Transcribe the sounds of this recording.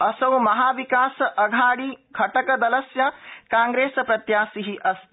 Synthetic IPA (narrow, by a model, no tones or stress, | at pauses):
ɐsɐwmɐɦaːʋikaːsɐʔɐɡʱaːɽiɡʰʱɐʈɐkɐd̪ɐlɐsjɐkaːŋɡɾeːsɐpɾɐt̪jaːsiɦiʔɐs